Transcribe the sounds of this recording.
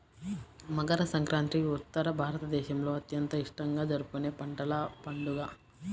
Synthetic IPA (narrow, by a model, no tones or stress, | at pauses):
mɐɡɐɾɐsɐŋkɾaːnt̪ɾiut̪ːɐɾɐbʱaːɾɐt̪ɐd̪ɛːʃɐmlo̞ːɐt̪jɐnt̪ɐiʂʈɐŋɡaːd͡ʒɐɾukune̞ːpɐɳʈɐlɐpɐɳɖuɡaː